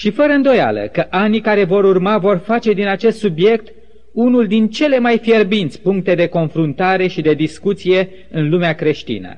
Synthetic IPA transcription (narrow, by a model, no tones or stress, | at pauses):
ʃifəɾəɨnd̪o̞ja̰lə̰kəʔanikaɾe̞vo̞ɾurmavo̞rfat͡ʃe̞d̪inat͡ʃe̞st̪subje̞kt̪ | unuld̪int͡ʃe̞le̞majfje̞rbint̪sʲpuŋk̚t̪e̞d̪e̞ko̞nfɾunt̪aɾe̞ʃid̪e̞d̪iskut̪sije̞ | ɨnlumeakɾe̞ʃt̪ḭnə̰